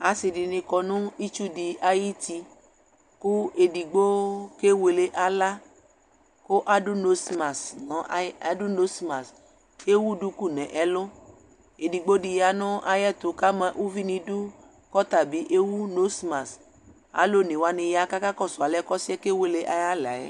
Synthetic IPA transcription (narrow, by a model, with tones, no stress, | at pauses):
a˨˦si˧di˨˧nĩ˧kɔ˧nũ˦i˦t͡ʃu˦di˧ʔa˧ji˦ti˧ | ku˦e˧di˨ɡ͡bo˦ke˦we˧le˦ʔa˧la˦ | ko˦ʔa˦du˦no˦sma˨snɔ̃˨˦˨du˦no˦sma˨s | e˦wu˦du˦ku˦˨nɛ̃˨ʔɛ˨˦lõ˦ | e˨di˨ɡ͡bo˦di˧ja˧nũ˦ʔa˧jɛ˦˨tu˨˦ka˦mã˧ʔu˦vi˦nĩ˧du˦ | kɔ˦ta˨bi˨˦ʔe˦wu˦no˦sma˨s | a̰˨˦lo˦˨nĩ˨wa˧nĩ˧ja˧ka˦ka˦kɔ˦˨su˨a˨lɛ˦kɔ˦si˦ɛ˦ke˦we˧le˦ʔa˧ja˦la̰˨ɛ̰˨˦